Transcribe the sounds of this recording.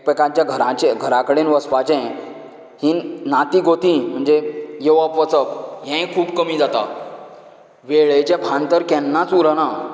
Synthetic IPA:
pekãɲt͡ɕjaɡʱəɾãt͡ɕẽɡʱəɾakəɽenʋəspat͡ɕɛ̃ | hĩːnːat̪ĩɡʱot̪ĩm̤əɳd͡zejeʋapʋət͡səkɦɛ̃kʰuːbkəmiːd͡zat̪a̰ | ʋeɭejt͡ɕɛ̃pʰãnt̪əɾkɛ̃nːãt͡suɾəna

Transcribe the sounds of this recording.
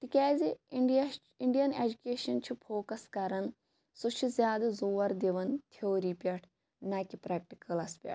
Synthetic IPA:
t̪ikʲaːzi | iɳɖijɐned͡ʒukʲeːʃɐnt͡ʃʰipʰoːkɐskɐɾɐn | sut͡ʃʰizʲjaːd̪ɐzoːɐɾd̪eʋɐnt̪ʰeoːɾiːpʲɐʈʰ | nɐkipɾɛːk̚ʈikɐlɐspʲɐ̰ʈ̚ʰ

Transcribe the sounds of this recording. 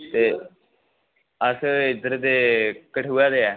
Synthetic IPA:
t̪eː | əsɪd̪əɾd̪eːkəʈɦuaːd̪eːɛː

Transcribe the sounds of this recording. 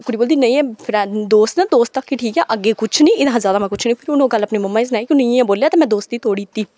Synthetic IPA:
kʊɽiːboːld̪iːnəĩɛ̃ːpʰɪɾɛd̪oːst̪nɛ̃ːd̪oːst̪əkːiʈʰiːkɛːʔəɡːeːkʊt͡ʃʰnĩːɪd̪ãzaːd̪aːmɛ̃ːkʊt͡ʃʰnĩːpʰɪɾʊnõːɡələpniːməmːãːɪs̬naːiːkɪniɛ̃ːboːljaːt̪eːmɛ̃ːd̪oːst̪̚d̪iːt̪oːɽit̪ːiː

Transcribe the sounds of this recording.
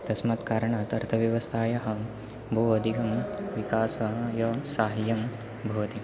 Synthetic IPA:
t̪ɐsmɐt̪kaːɾɐɳaːt̪ɐɾt̪ʰɐʋjɐʋɐst̪ʰaːjɐɦɐ | bʱoːʋɐd̪iɡɐmʋikaːsɐɦɐjɐsaːɦɐjɐm | bʱoːʋɐt̪i

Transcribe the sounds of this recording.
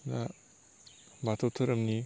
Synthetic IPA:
na | batʰowtʰɐɾɐmni

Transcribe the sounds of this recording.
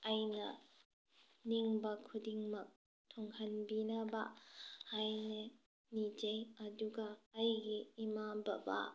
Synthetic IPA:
ʔɐjnɐ̰ | niŋbɐkʰudiŋmɐk̚ | tʰoŋhɐnbinɐbɐ̰hajne | nid͡ʒejɐduɡɐːjɡiːmabɐ̰ba̰

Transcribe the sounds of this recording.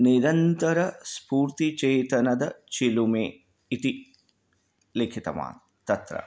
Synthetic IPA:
niɾɐnt̪ɐɾɐspuːɾt̪it͡ʃeːt̪ɐnɐd̪ɐt͡ʃilumeː | it̪i | lekʰit̪ɐ̰ma̰ːt̪ | t̪ɐt̪ɾɐ̰

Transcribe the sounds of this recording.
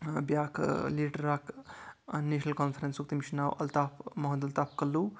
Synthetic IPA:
bjakleʈɾːaːk | neʃnɐlkɔnfʰɾensuk̚t̪imiʃnawʔɐlt̪aːpʰmɐɦd̪ɐlt̪aːpʰkɐlːu

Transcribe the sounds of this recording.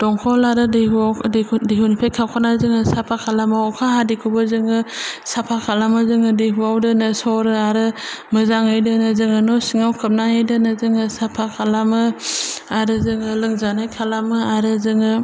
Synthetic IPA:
d̥ɔŋkʰɔlaɾɯdehudeɦunipʰekʰawkʰanazɯŋɯsapʰakʰalamakʰaɦadikʰubɯzɯŋɯsapʰakʰalamɯzɯŋɯdeɦuawdɯnɯsɔɾɯaɾɯmɯzaŋɯjdɯnɯzɯŋɯnɔsiŋawkʰɯp̚naŋejdɯnɯzɯŋɯsapʰakʰalamɯ | aɾɯzɯŋɯlɯŋzanajkʰalamɯaɾɯzɯŋɯ

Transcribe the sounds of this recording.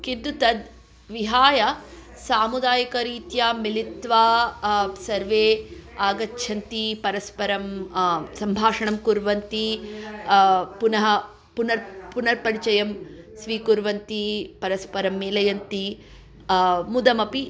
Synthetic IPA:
kind̪ut̪ɐd̪ | ʋiɦaːjɐ | saːmud̪aːjɐkɐɾiːt̪jamilit̪ʋaː | sɐɾʋeːaːɡɐtːʃʰɐnt̪ipɐɾɐspɐɾɐmsɐmbʱaːʂɐɳɐmkuɾʋɐnt̪i | punɐɦɐ | punɐɾpunɐɾpɐɾit͡ʃɐjɐm | sʋiːkuɾʋɐnt̪ipɐɾɐspɐɾɐmːiːlɐjɐnt̪i | mud̪ɐmɐpi

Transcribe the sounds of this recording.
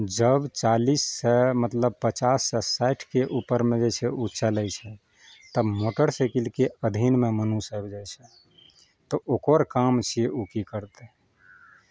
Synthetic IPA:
d͡ʒəbt͡ʃalisːɛmət̪ləb̚pət͡ʃasːɛsaɪʈʰkeʔupəɾmẽd͡ʒet͡ʃʰɛut͡ʃəlɛt͡ʃʰɛ | t̪əbmoʈəɾsɛkilkeəd̪ʱinmemənusəbd͡ʒɛjt͡ʃʰɛ | t̪ɔʔokəɾkamt͡ʃʰieʔukikəɾt̪ɛ

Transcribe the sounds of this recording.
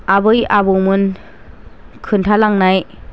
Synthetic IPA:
abɯjabɯwmɯn | kʰɯntʰalaŋnaj

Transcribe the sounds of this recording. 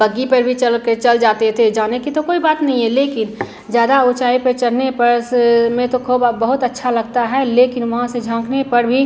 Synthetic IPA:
bɐɡːipɐɾbʱit͡ʃɐlket͡ʃɐld͡ʒaːt̪et̪ʰed͡ʒaːnekit̪okoːibaːt̪nɐɦĩɦɛleːkɪn | zjaːd̪aʊt͡ʃaːipɐɾt͡ʃɐɽ̤nepɐɾmẽt̪okʰoːbbəɦʊt̪ɐtːʃʰalɐɡt̪aɦɛleːkɪnʋɐɦãsed͡ʒʱãːkʰnepɐɾbʱi

